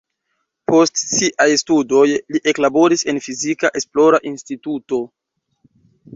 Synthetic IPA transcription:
po̞stsiʔajstudo̞jliʔe̞klabo̞ɾise̞nfizikaʔe̞splo̞ɾaʔinstituto̞

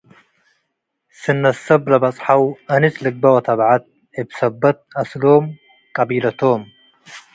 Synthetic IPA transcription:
sɨnːɐsɐblɐbɐt͡sʼħawɐnɨzlɨɡ̚bɐwɐt̪ʰɐβʕat̪̚ | ebsɐbːɐt̪̚ɐslom | kʼɐbilɐt̪ʰom

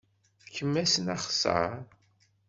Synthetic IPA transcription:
kːəmːæsənaχsə̰ɾ

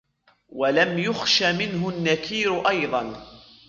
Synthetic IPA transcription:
walamjʊxʃamɪnɦʊnːakʰiːɾʊʔɑjðˤɑn

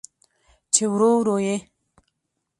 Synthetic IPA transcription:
t͡ʃewɾowɾoje

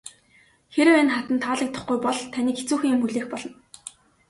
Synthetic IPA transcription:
xeɾɘ̆wenχat̪ə̆nt̪ʰaːɮə̆k̚t̪ə̆χɡujpɔɮt̪ʰaniːket͡suːxĭːŋimuɮeːxpɔɮɞ̆n

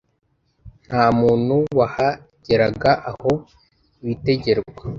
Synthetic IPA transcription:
n̥haːmuːn̥huwaha | ɟ̥e̞ɾaɡaʔaho̞ | βite̞ɟe̞ɾɡwa

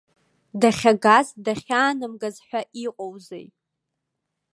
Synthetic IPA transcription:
daχʲaɡazdaχʲaːnɨmɡazħᶣʷaʔiqʼowzej

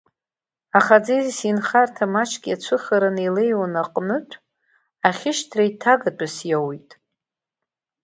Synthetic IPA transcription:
aχad͡zezsinχartʰamat͡ʃʰɡʲiat͡ʃʷʰɨχaɾanelejwanaqʼnɨtʷʰʼ | aχʲɪʃtʰrajtʰaɡat͡pʷʼasjawitʼ

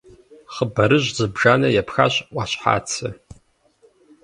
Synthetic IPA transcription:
χəbaɾɨʒʷzɨbʐanajapʰxa̰ɕʷʔʷʼaɕʷħa̰t͡sʰɨ

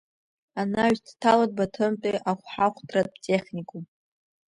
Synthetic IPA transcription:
anaɥztʰtʰalad̚batʰɨmpʼiʔaχʷħaχʷdʰʼrat̚ʼtʼeχʲnʲikʼum

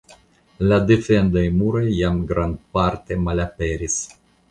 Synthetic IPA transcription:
lad̪efend̪ajmuɾojːamɡɾand̪̚paɾt̪emalapeɾis

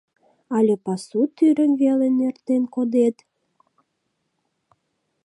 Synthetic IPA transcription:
ɑlʲepɑsut̪yɾə̆nvelenert̪enkod̪et̪

